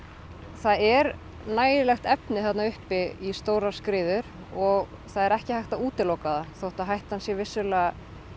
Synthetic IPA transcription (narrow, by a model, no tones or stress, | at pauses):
θaðɛɾ | naːjɪlɛxt̪ɛpnɪθat̪naʏhpɪist̪oːwɾḁskɾɪːðʏɾ | ɔɣ | θaðɛɾɛhcɪhajht̪auːt̪ɪlowkaðaθowht̪aɦajht̪hansjɛvɪsːʏla